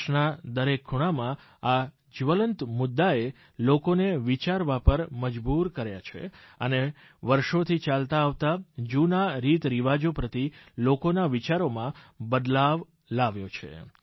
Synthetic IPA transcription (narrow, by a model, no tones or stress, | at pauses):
ʃnad̪əɾekʰːuɽ̃amã | a | d͡ʒʋələnt̪mʊd̪ːae | lokoneʋit͡ʃaɾʋapəɾməd͡ʒbuɾkəɾja̰t͡ʃʰḛəne | ʋəɾʃot̪ʰit͡ʃalt̪aːʋt̪ad͡ʒunaɾit̪ɾiʋad͡ʒopɾət̪ilokonaʋit͡ʃaɾomãbəd̪laʋ | laʋjot͡ʃʰḛ